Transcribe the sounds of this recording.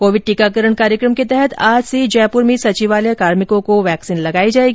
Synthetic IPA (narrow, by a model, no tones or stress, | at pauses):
koːʋɪɖ̚ʈiːkakəɾəɽkaːɾjəkɾəmket̪ɛɦɛt̪ʰaːd͡ʒsed͡ʒɛːpʊɾmẽsɐt͡ʃiʋaːlekaːɾmɪkõkoʋɛːksiːnlɐɡaːid͡ʒaːeːɡiː